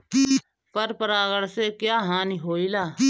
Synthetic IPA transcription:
pəɾpəɾaːɡəɽsekjaːɦãːniɦoːiːlaː

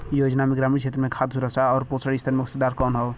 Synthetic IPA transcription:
joːd͡ʒnamẽɡɾaːmiɾt͡ʃʰeːt̪ɾəmẽkʰad̪ɦuɾəsaɔːɾpot͡ʃʰəɽist̪ʰəɾmẽʊst̪ed̪aːɾkɔːnɦɔʊ

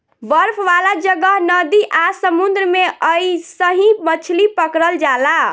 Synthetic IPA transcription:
ʋəɾpʰʋalad͡ʒəɡəɦnəd̪iʔasəmund̪ɾəmeʔəisəɦĩbət͡ʃʰlipəkɾəld͡ʒala

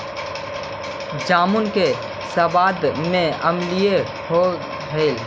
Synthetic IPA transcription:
d͡ʒaːmʊnke | səbaːd̪mẽəmlije | ho | ɦeːl

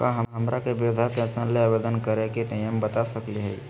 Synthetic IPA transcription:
kaɦəɦɐmɾakebɪɾʊd̪ʱak̪ɛ̃sənleabed̪ənkəɾekeʈajəmbət̪asəkliɦɛ̰

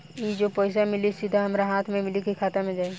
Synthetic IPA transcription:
jid͡ʒopɔːɪs̬amɪlisɪd̪ʱaɦɐmɾaɦaːt̪ʰmẽmɪlikikʰaːt̪amẽd͡ʒaːe

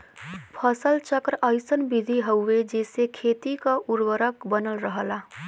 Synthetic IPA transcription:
pʰəsəlt͡ʃəkɾʔəjsənbid̪ʱiɦəwːed͡ʒesekʰet̪ikəuɾwəɾəkbənəlɾəɦəla

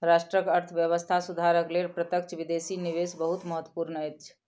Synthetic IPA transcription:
ɾasʈɾəkəɾt̪ʰʋjəβəst̪ʰasud̪ʱaɾəklelpɾət̪əkt͡ʃʰbid̪esiniʋesbəɦut̪məɦət̪wəpuɾnəɛt͡ʃʰ

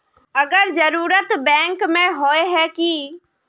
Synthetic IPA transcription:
ɐɡəɾd͡ʒəɾuːɾət̪bɛ̃ːŋkmẽɦoːeɦɛki

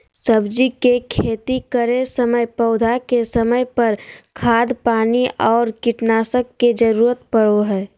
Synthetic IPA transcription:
səbd͡ʒikekʰeːt̪ikəɾesəməjpəʊd̪ʱakesəməjpəɾkʰaːd̪paːniʔɔːɾkɪʈnaːsəkːed͡ʒəɾuːɾət̪pəɽoɦɛː

